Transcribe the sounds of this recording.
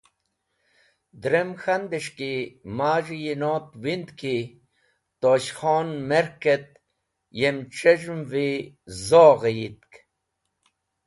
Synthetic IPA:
d̪ɾemxand̪iʂkimaːʐijinot̪wind̪ki | t̪oɕxoːnmeɾket̪̚ | jemʈ͡ʂeʐmvi | zoːɣejit̪̚k

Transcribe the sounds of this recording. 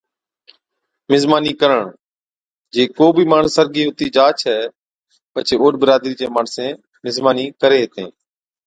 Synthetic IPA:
mɪzmaːniːkəɾəɳ | d͡ʒeːkoːbʱiːmaːɳsəɾɡiːɦʊt̪iːd͡ʒaːt͡ʃʰɛː | pət͡ʃʰeːoːɖ̚bəɾaːd̪ɾiːd͡ʒeːmaːɳsẽː | mɪzmaːniːkəɾeːɦt̪ḛ̃ː

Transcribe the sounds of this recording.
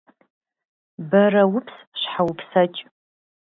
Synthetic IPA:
barɐwʊpʰs | ʃʷħawupʰsat͡ʃʼ

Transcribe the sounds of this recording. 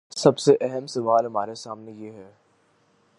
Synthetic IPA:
sɐbseʔɛɦəmsɐʋaːlɦɐmaːɾesaːmnejeːɦɛː

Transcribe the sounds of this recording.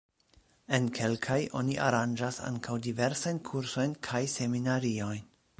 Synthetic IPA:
e̞nkʰe̞lkʰajʔo̞̰niʔa̰ɾand͡ʒasa̰ŋkʰawdive̞ɾsajnkʰuɾso̞jnkʰajse̞minaɾio̞jn

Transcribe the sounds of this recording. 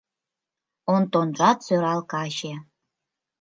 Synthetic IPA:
ont̪onʒɑt̪søɾɑlkɑɕe

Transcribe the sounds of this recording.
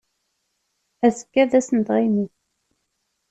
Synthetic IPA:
æsə̥kːæðæsənd̪ʁimi

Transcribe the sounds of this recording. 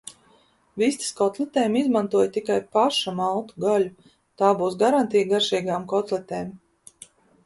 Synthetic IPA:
vist̪i̥skɔt̪lˠɛt̪eːmizmant̪uɔjt̪ikajpaʃamalˠt̪u̥ɡalʲu | t̪aːbuːsɡaɾant̪ijɡaɾʃiːɡaːmkɔt̪lˠɛt̪eːm

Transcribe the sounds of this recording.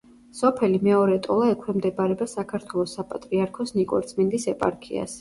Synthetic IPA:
sɔpʰɛlimɛɔɾɛt̪ʼɔlˠaɛkʰwɛmd̪ɛbaɾɛbasakʰaɾt̪ʰwɛlˠɔsapʼat̪ʼɾiaɾkʰɔsnikʼwɔ̰ɾt̪sʼmind̪isɛpʼa̰ɾkʰḭa̰s

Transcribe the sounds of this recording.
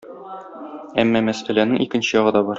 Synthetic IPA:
æmːɒmæsælænɘŋikɘ̆nɕɘjɒʁɤ̆d̪ɒbɒɾ

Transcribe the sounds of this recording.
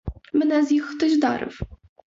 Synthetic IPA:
mnɛzjixt̪ɨʑd̪a̰ɾɨ̰f

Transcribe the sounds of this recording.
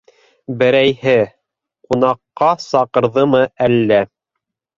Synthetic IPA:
bɘ̆ɾæjhɘ | qunɑqːɑsɑqɤ̆ɾðɤmɤʔælːæ

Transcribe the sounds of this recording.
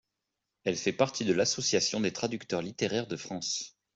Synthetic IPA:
ɛlfɛpaʁt̪ʰid̪əlasɔsjasjɔ̃d̪et̪χad̪ykt̪œʁlit̪eʁɛʁd̪əfχɑ̃s

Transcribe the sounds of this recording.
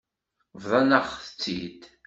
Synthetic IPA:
vðˤɑnəχθət͡sːḭd̪

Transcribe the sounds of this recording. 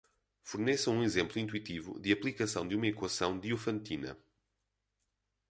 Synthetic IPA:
fuɾnɛsɐ̃w̃ũizẽmplˠuĩnt̪wit̪ivṵd̪ɨɐplˠikɐsɐ̃w̃d̪ɨumɐikwɐsɐ̃w̃d̪iufɐ̃nt̪inɐ̰

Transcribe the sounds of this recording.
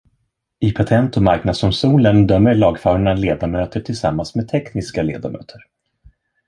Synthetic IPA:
ɪpʰat̪ʰɛnt̪ɔmaɾknad̪sɔmsuːlənd̪œmːəɭɑːɡfœːɾaɳəleːd̪amøːt̪əʈʰɪlsa̰mːansmed̪̚t̪ʰɛknɪskalḛːd̪amʔø̰ːt̪ʰəɾ

